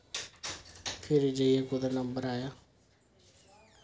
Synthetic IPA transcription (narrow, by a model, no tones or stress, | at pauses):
pʰɪɾd͡ʒəiekʊd̪anəmbəɾaːjaː